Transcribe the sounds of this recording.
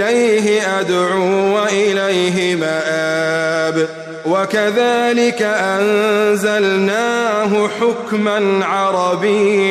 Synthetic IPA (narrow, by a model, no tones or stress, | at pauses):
lajɦɪʔad̪ʕuːwaʔɪlajɦɪmaʔaːb | wakaðaːlɪkaʔanzalnaːɦʊħʊkmanʕɑɾˤɑbɪː